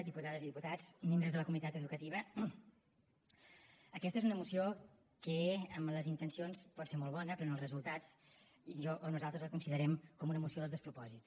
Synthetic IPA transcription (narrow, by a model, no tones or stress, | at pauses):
d̪iput̪aðəziðiput̪ad͡zmembɾəzðələkumit̪at̪əðukət̪iβ̞ə | əkɛst̪əezunəmusio | kəəmləzint̪ənsionspɔtseɾmolˠβɔnəpɾɔnəlˠzrəzulˠt̪at͡s | ʒɔʔonuzalˠt̪ɾəzləkunsiðəɾɛmkɔmunəmusioðəlzðəspɾupɔzis